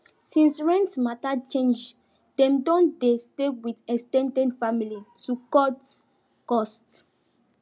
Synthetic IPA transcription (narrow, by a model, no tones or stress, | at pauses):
sĩnsɹɛ̃ntmatat͡ʃẽnd͡ʒ | dɛ̃mdɔ̃ndestewidɛkstɛ̃ndɛ̃nfamilitʰukɔt | kɔst